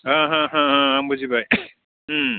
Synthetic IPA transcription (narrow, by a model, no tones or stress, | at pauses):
ãɦãɦãɦãambuzibaj